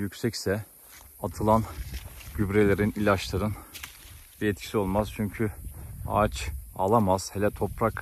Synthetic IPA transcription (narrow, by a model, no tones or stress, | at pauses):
jycsɛcsɛ | at̪ʰɯlˠanɟybɾelʲeɾinilʲaʃlˠaɾɯn | biɛt̪̚cʰi̥sio̞lˠmaz̥t͡ʃʰyɲcʰya̰t͡ʃa̰lˠamaz̥helʲɛt̪ʰo̞pɾak